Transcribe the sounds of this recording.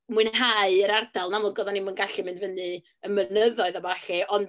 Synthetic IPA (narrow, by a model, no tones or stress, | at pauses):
muɨnɦaɨəɾardalˠnamɔɡɔðanimunɡaɬimɪndvənɨ | əmənəðɔɨðabaɬɛʔɔnd